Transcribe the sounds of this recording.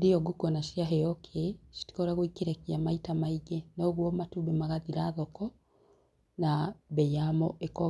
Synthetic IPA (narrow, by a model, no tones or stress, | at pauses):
dejɔɡukɔnaʃiaɦɛjɔkʰeʃi̥ti̥kɔɾaɣoikeɾɛkiamaitamaiɡɛnɔɣwɔmatuβɛmaɣaðiɾaðɔkɔ | naβɛjamɔʔekɔ